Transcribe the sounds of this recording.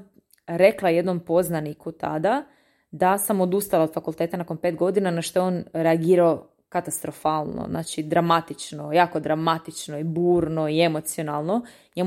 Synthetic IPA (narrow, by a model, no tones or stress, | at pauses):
ɾe̞klˠaje̞d̪no̞mpo̞znanikut̪a̰d̪a | d̪asamo̞d̪ust̪alaod̪fakulˠt̪eːt̪anako̞npeːt̪ɡo̞d̪inanaʃt̪oeonɾeaɡiːɾao | kat̪ast̪ɾo̞faːlˠno̰zna̰ːt͡ʃid̪ɾamat̪it͡ʃnojaːko̞d̪ɾamat̪it͡ʃnoibuːɾnoiemo̞t̪sio̞nalˠno̞ | ɲe